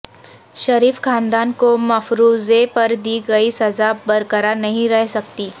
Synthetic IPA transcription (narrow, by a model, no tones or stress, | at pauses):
ʃɐɾiːfkʰãːnd̪aːnkomɐfɾuːzepɐɾd̪iːɡɐisɐzabɐɾkəɾanɐɦĩɾɛɦsɐk̚t̪iː